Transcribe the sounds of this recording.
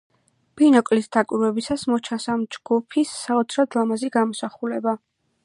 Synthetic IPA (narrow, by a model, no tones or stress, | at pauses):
b̥inɔkʼlisd̪akʼwiɾwɛbisasmɔt͡ʃʰasamd͡ʒɡ̥upʰisːaɔt̪sʰɾɔd̪lamaziɡamɔsaχulɛba